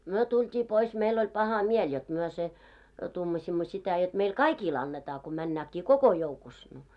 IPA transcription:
myø tultʲiː pois meil olʲ pɑhɑ miel jot myø se tuːmɑsʲimːo sitæ jot meil kɑikil ɑnːetɑː ko mænːæːkːiː koko joukus no

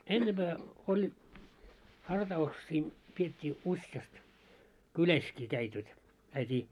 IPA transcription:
enːemb̥æː olʲ hɑrtɑuksiː pietʲːiː usjɑst kylæskiː kæit jot kæitiː

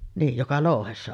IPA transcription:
niːj jokɑ loˑuhesːɑ

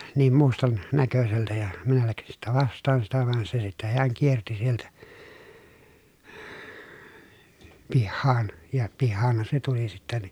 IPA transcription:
niːm mustɑn nækøseltæ jɑ minæ læksin sitːæ ʋɑstˑɑːn sitæ ʋɑn se sitːæ heæŋ kierti sieltæ pihːɑːn jɑ pihːɑːnhɑn se tuli sitːæ ni

